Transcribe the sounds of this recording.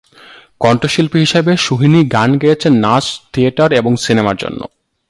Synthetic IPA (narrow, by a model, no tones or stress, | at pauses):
kɔɳʈoʃilpiɦiʃebeʃuɦiniɡanɡejet͡ɕʰenːast̪ʰieʈaɾeboŋsinemaɾd͡ʑo̰nːo̰